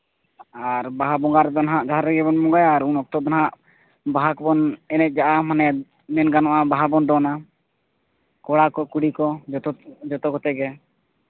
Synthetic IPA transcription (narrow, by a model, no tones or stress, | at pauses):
aɾbaɦabɔŋɡaɾd̪ɔnɦaʔd͡ʒaɦaɾɛɡɛbɔnmɔŋɡajaɾunɔk̚t̪ɔd̪ɔnɦaʔ | baɦakbɔnɛnɛt̪̚d͡ʒaʔamanɛ | mɛnɡanɔʔabaɦabɔnd̪ɔna | kɔɽakɔkuɽikɔd͡ʒɔt̪ɔd͡ʒɔt̪ɔkɔt̪ɛɡɛ